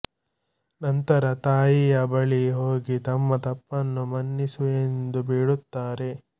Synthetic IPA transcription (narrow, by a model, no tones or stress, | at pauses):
nɐnt̪ɐɾɐt̪aːjijɐbɐɭiɦoːɡit̪ɐmːɐt̪ɐpːɐnːumɐnːisue̞nd̪ubiːɽut̪ːaːɾe̞